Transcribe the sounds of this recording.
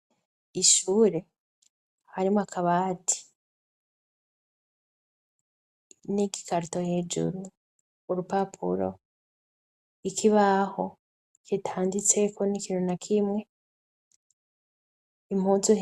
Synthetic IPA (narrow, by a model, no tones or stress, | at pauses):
iʃuːɾe̞ | haɾimakʰaβaːti̥ | niɡi̥kaɾitohed͡ʒṵɾu | uɾupapʰṵɾo̰ | ikʰiβaho̞ | kitʰaːndit͡se̞konikiːnunakʰimŋe | im̥huːzu